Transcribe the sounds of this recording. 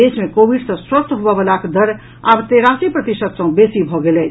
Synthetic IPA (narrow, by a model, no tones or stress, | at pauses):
esmekobʱiɖsə̃swəst̪ʰɦubəbelakd̪əɾ | a̰bt̪eɾasipɾət̪isət̪sə̃besibʱɔɡelɛt͡ʃʰ